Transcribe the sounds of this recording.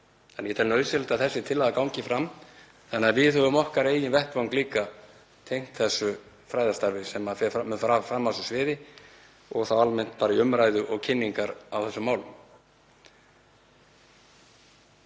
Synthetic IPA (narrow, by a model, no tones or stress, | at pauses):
ɛnjɛt̪ʰɛlnœːɥsɪlat̪aðθɛsːɪt̪ʰɪlːaðakawŋcɪfɾam | θanːaðvɪðhœvʏmɔhkaɾeːjɪnvɛhkvawŋkliːka | t̪ʰejŋ̥t̪θɛsːʏ | fɾaːjðast̪aɾvɪsɛmafɛfamfɾafɾamːasʏsvɪːðɪ | ɔɣθawalmɛn̥t̪̚paːɾɪʏmɾajðʏʔɔɣcʰɪnːiŋkaɾawθɛsːʏmːaːwlʏm